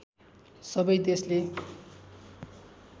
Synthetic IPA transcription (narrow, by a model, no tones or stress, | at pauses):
sʌbʌjd̪esle